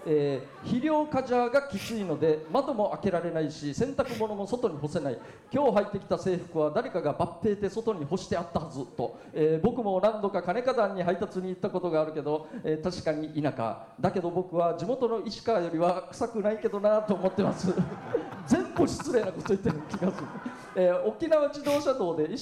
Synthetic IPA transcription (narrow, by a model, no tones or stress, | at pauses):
eː | çiɾʲo̞ːkaʑaːɡakʲit͡sɨino̞d̪e̞mad̪o̞mo̞ʔake̞ɾaɾe̞naiɕisẽ̞nt̪akɯ̟mo̞no̞mo̞so̞t̪o̞ɲ̟iɦo̞se̞nai | kʲo̞ːɦait̪ːe̞kʲi̥t̪ase̞ːɸɯ̟̥kɯ̟β̞ad̪aɾe̞kaɡabapːe̞ːt̪e̞so̞t̪o̞ɲ̟iho̞ɕi̥t̪e̞at̪ːahazɨt̪o̞ | eːbo̞kɯ̟mo̞nãnd̪o̞kakane̞kad̪aɲ̟ːiɦait̪at͡sɨɲ̟iːt̪ːako̞t̪o̞ɡaːɾɯ̟ke̞d̪o̞eːt̪aɕi̥kaɲ̟iʔinaka̰ | d̪ake̞d̪o̞bo̞kɯ̟βad͡ʑimo̞t̪o̞no̞iɕi̥kajo̞ɾʲiβakɯ̟̥sakɯ̟naike̞d̪o̞nat̪o̞ːmo̞t̪ːe̞masɨ | d͡zẽ̞mbɯ̟ɕi̥t͡sɨɾe̞ːnako̞t̪o̞it̪ːenɯkʲiɡasɨe | eːo̞kʲinaβat͡ɕid̪o̞ːɕad̪o̞ːd̪e̞i